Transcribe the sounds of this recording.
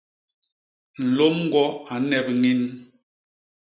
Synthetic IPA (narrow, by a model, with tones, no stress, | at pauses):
n̩˨lo˦mŋ˦ɡwɔ˦a˨˦nɛ˨p̚ŋi˦n